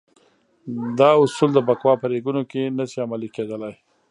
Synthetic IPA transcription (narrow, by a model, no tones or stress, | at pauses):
d̪ɑʊsuld̪əbakwɑpəɾeɡunokenasiamaliked̪əlaj